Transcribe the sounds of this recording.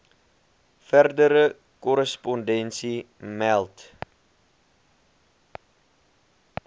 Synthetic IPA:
færdəɾə | kɔɾəspɔndɛnsi | mɛlˠt

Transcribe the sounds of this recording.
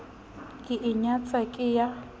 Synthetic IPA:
kʼɪʔɪɲat͡sʼakʼɪja

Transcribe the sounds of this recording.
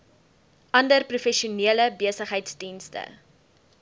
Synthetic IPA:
ʔɐndərprufɛʃiuniələbiəsəχɦəjtsdinstə̰

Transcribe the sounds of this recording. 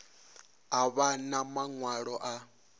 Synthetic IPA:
aβanamaŋwaɺɔʔa

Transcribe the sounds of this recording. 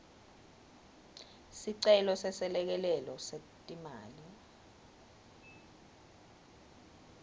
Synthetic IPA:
siǀɛlɔsɛsɛlɛk̬ɛlɛlɔse | tʼimaːli

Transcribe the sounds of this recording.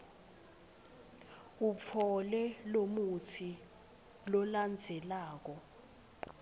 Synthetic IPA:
up̪fʰɔlɛlomutʰi | lɔland͡zʱɛlaːk̬ɔ

